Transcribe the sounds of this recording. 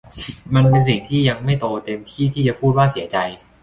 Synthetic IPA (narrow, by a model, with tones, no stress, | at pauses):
ma˧npe˧ns̬i˨˩ŋt̪ʰiː˥˩ja˧ŋma˥˩jt̪oː˧t̪e˧mt̪ʰiː˥˩t̪ʰiː˥˩t͡ɕa˨˩pʰuː˥˩t̪̚waː˥˩si˨˩˦ɐt͡ɕa˧j